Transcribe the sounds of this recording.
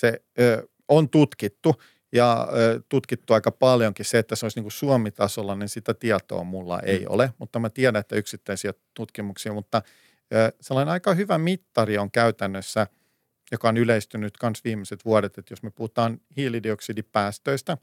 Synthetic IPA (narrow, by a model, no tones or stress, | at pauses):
se | øː | ont̪ut̪kit̪ːu | jɑːt̪ut̪kit̪ːuɑikɑpɑljoŋkisseet̪ːæseoisniːŋkusuomit̪ɑsolːɑninsit̪æt̪iɑt̪o̰ːmulːɑ̰ʔḛio̰lemut̪ːɑmæt̪iɛdæet̪ːæyksit̪ːæisiæt̪ut̪kimuksiːmut̪ːɑ | øːselːɑinenɑikɑhyʋæmit̪ːɑrioŋkæyt̪ænːøsːæ | jokɑonyleist̪ynyt̪kɑnsʋiːmeset̪ʋuɑɾet̪et̪josmøpuhut̪ɑːnhiːlidioksidippæːst̪øist̪æ